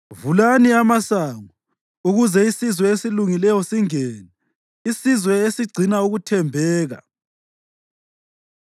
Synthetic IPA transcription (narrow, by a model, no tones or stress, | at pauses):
vulaniamasaːŋu | uɣuzɛisizwɛesiluŋilɛjɔsiŋɛːnɛ | isizwɛesiɡ͡ǀʱinauɣutʰɛmbʱɛːɣa̰